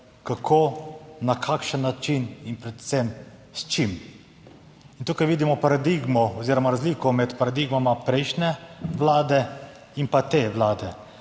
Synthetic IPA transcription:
kakʰoːnakʰakʃənːat͡ʃininpɾɛt̪sɛm | st͡ʃim | int̪uːkajʋiːd̪imɔpaɾad̪iɡmɔɔziːɾɔmaɾazliːkɔmɛt̪paɾad̪iɡmamapɾɛjʃnɛʋlaːd̪ɛ | inpat̪eːʋlaːd̪ɛ

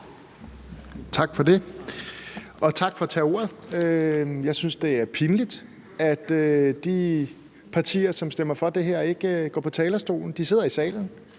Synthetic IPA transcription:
t͡sʰɑ̈ɡ̥fɒ̽de̝ | ɒ̽t͡sʰɑ̈ɡ̥fɒ̽t͡sʰɛ̰ːo̝̰ɐðˠøjɑ̈ɪsynsd̥e̝æɐpʰinəlid̥ | æd̥ød̥i | pʰɑ̈t͡sʰḭːɐsɒ̽msd̥em̰ɐfɒ̽d̥e̝ɦeɐe̝ɡ̥əɡ̥ɒ̰ːpʰɒ̽t͡sʰɛːlɐsd̥o̝̰ːln̩d̥ise̝ð̰ˠɐisɛ̰ːln̩

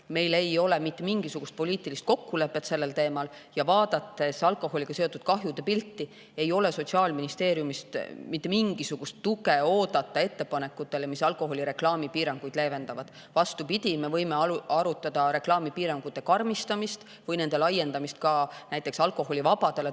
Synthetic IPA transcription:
me̞jle̞jo̞le̞mit̪ːemiŋɡ̥isuɡ̥ust̪̚po̞liːt̪ˑilist̪̚ko̞kːule̞pːe̞t̪se̞lːe̞lt̪e̞ːmɑl | jɑvɑːd̪ɑt̪ːe̞sɑlko̞ɦo̞lʲikɑse̞o̞t̪ːˑud̪̥̚kɑɦjud̪̥e̞pilt̪ːi | e̞jo̞le̞so̞t̪ʲsiɑːlminist̪e̞ːɾjumist̪mit̪ːe̞miŋɡ̥isuɡ̥ust̪ːuɡeo̞ːd̪̥ɑt̪ːˑɑe̞t̪ːe̞pɑne̞kːˑut̪ːˑe̞lemisɑlkˑo̞ɦo̞lʲiɾe̞klɑːmipiːɾɑŋɡ̥ujd̪̥leːve̞nd̪ɑvɑd̪̥ | vɑst̪upid̪ʲime̞vɤjme̞ɑɑɾut̪ːˑɑd̪̥ɑɾe̞klɑːmipiːɾɑŋɡ̥ut̪ːˑe̞kɑrmist̪ɑmist̪ | vɤjne̞nd̪̥e̞lɑjːe̞nd̪ɑmist̪̚kɑnæjt̪ːˑe̞ksɑlko̞ɦo̞lʲivɑb̥ɑd̪̥e̞le

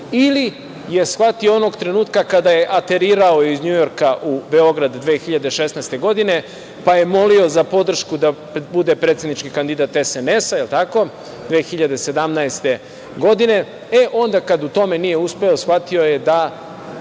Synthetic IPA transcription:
ili | je̞sxʋat̪ioonoɡt̪ɾe̞nuːt̪kakad̪aje̞ʔat̪e̞ɾiːɾao̞izɲujo̞ɾkaʔube̞o̞ɡɾad̪d̪ʋeːxiʎad̪e̞ʃe̞snast̪e̞ɡo̞d̪ine̞ | paje̞mo̞lio̞zapo̞d̪r̩ʃkud̪a | bud̪e̞pɾet̪se̞d̪nit͡ʃkikand̪id̪aːt̪esene̞sailt̪ako̞ | d̪ʋeːxiʎad̪e̞se̞d̪amnaest̪e̞ | ɡo̞d̪ine̞ | eʔo̞nd̪akad̪ut̪o̞me̞nije̞uspe̞o̞sxʋat̪io̞je̞d̪a

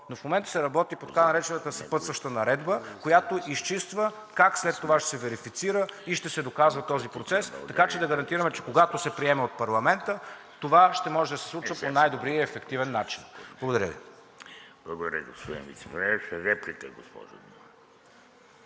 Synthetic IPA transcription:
nofmomɛnt̪ə̥sɛɾɐbɔt̪ipot̪kanɐɾɛt͡ʃɛnət̪əsɐpɤt̪svəʃt̪ənɐɾɛd̪bəkojat̪oʔist͡ʃist̪və | kakslɛt̪ːovaʃɛ̥sɛvɛɾifit̪siɾəiʃt̪ɛsɛd̪okazvɐt̪ɔzipɾot̪sɛst̪ɐkat͡ʃɛd̪ɐɡəɾɐnt̪iɾəmɛt͡ʃɛkoɡat̪osɛpɾiɛmɛot̪̚pɐɾlˠɐmɛnt̪ət̪ovaʃt̪ɛmɔʒɛd̪ɐsɛ̥slˠut͡ʃvɐponajd̪obɾijəːfɛkt̪ivɛnːat͡ʃinblˠɐɡod̪ɐɾə̰vḭ | b̥lˠɐɡod̪ɐɾʲjə̰ɡospod̪ḭnvḭt̪sɛpɛnɛʃɛɾɛplikəɡospɔ̰ʒo̰d̪um

